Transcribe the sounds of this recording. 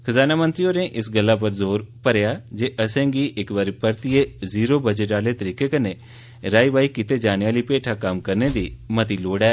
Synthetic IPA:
kʰəzaːnaːmənt̪ɾiːoːnẽːʔɪsɡəlːaːp̬əɾzoːɾpəɾejaːd͡ʒeːʔəsɛ̃ːɡiːʔɪkʋaɾiːpəɾt̪ɪeːziːɾoːbəd͡ʒəʈaːleːt̪əɾiːkeːkəneː | ɾaːiːbaːiːkɪt̪eːd͡ʒaːnaːliːpeːʈʰaːkəmkəɾneːd̪iːmət̪iːloːɽɛː

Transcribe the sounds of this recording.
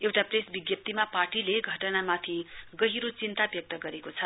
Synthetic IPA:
ewʈapresbiɡjʌp̚t̪imaparʈileɡʱʌʈʌnamat̪ʰiɡʌɦiɾot͡sint̪abjʌk̚t̪ʌɡʌɾekot͡sʰʌ

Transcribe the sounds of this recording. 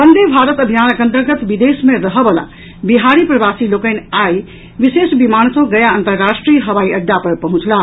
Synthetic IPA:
pənd̪ebʱaɾət̪əbʱijanəkə̃nt̪əɾɡət̪bid̪esmeɾəɦəbəla̰ | biɦaɾipɾəbasilokənaj | ʋisesbimansə̃ɡəjaənt̪əɾːasʈɾijəɦəʋaiəɖːapəɾpəɦũt͡ʃla

